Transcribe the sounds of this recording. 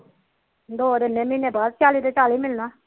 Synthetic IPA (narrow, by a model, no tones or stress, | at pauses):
d̪oːd̪enẽːmĩnẽːbaːd̪̚t͡ʃaːliːd̪et͡ʃaːliːmɪlnaː